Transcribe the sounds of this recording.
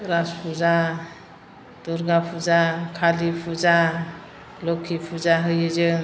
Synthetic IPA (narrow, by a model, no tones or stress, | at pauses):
ɾaspʰuza | d̪̥uɾɡapʰuzakʰalipʰuza | lɔkʰːipʰuzaɦɯjɯzɯ